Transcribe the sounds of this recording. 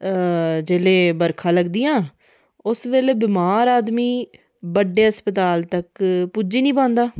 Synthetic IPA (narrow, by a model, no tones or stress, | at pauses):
d͡ʒeːleːbəɾkʰãːləɡd̪ijãː | ʊsʋeːleːbɪmaːɾaːd̪miː | bəɖːeːɦəspət̪aːlt̪əkpud͡ʒiːnĩːpãːnd̪aː